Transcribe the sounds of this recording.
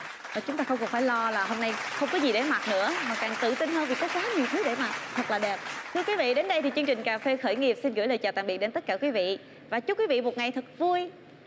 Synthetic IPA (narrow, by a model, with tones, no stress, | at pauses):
ʔəː˨˩t͡ɕʊ˨˦ŋ͡mt̪aː˧xə˧wŋ͡mkɔ˨˩faː˧˩jlɔ˧laː˨˩ɦo˧mna˧jxə˧wŋ͡mkɔ˨˦zi˨˩ɗe˧˩ma˨˩t̚nɨ̰˧˥əmaː˨˩kaː˨˩ŋt̪ɨ̰˧˨t̪i˧nɦəː˧nvi˨˩kɔ˨˦xwaː˨˦ɲi˨˩əwt̪ʰɨ˨˦ɗe˧˩maː˨˩t̚t̪ʰə˨˩k̚laː˨˩ɗɛ˨˩p̚t̪ʰɨ˧əkwi˨˦vḭ˧˨ɗe˨˦nɗə˧jt̪ʰi˨˩t͡ɕɨ˧əŋt͡ɕï˨˩ŋ̟kaː˨˩fe˧xəː˧˩jŋi˨˩əp̚si˧nɣɨ̰˧˥˩jləː˨˩jt͡ɕa̰ː˨˩t̪aː˧˨ŋɓi˨˩t̚ɗe˨˦nt̪ə˦˥t̚kaː˧˩kwi˨˦vḭ˧˨ | vaː˨˩t͡ɕʊ˦˥kwvḭ˧˨mo˨˩t̚ŋa˨˩jt̪ʰɨ˨˩k̚vu˧əj